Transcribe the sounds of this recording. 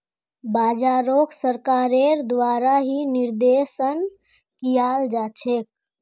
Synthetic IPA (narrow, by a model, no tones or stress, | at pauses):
baːd͡ʒaɾoksəɾkaːɾeɾd̪waːɾaɦiniɾd̪esən | kijaːld͡ʒat͡ʃʰek̚